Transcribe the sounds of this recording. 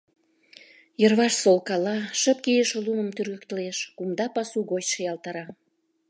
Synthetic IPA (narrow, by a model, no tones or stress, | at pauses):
jərβɑʃsolkɑlɑʃə̆p̚kijəʃoluməmt̪yrɣə̆k̚t̪əleʃkumd̪ɑpɑsuɣot͡ɕʃəjɑlt̪ɑɾɑ